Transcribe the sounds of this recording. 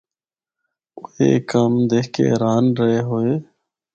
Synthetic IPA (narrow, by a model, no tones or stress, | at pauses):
ʊɦeːkəmd̪eːkḛːɾaːnɾəɦeːɦoːeː